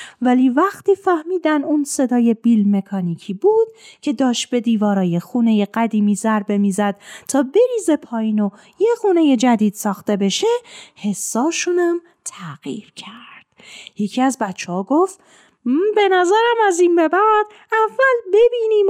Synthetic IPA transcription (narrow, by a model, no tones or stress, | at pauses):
væliːvæxt̪ʰiːfæhmiːd̪ænunse̞d̪ɒːje̞bilme̞kʰɒːniːcʰiːbuːd̪̥̚cʰe̞d̪ɒːʃt̪̚be̞d̪iːvɒːɾɒːje̞xune̞je̞ɢæd̪iːmiːzæɾbe̞miːzæd̪̥̚t̪ʰɒːbe̞ɾiːze̞pʰɒːjiːno̞ | jexuːne̞je̞d͡ʒæd̪iːd̪̥sɒːxt̪e̞be̞ʃe̞he̞sːɒːʃunæm | t̪ʰæɣ̥ḭːɾcʰæɾd̪̥je̞cʰiːæzbæt̪t͡ʃʰːehɒːɡoft̪ː | be̞næzæɾæmæzinbe̞bæd̪̥ | ævːælbe̞biːniːm